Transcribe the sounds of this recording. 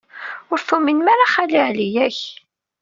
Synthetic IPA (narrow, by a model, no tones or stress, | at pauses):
ʊɾθuminmaɾaχæliʕlijæç